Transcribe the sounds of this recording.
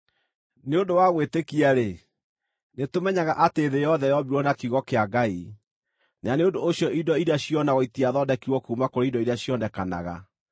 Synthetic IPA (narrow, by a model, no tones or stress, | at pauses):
neodowaɣwetekiaɾe | netomɛɲaɣaʔateːðejɔðɛjɔbiɾɔnakiɣɔkeaɡai | naneondoːɕjɔʔidɔiɾeaɕijɔnawɔitiaðɔdɛkiɣwɔkuːmakoɾeidɔiɾaɕjɔnɛkana̰ɣa̰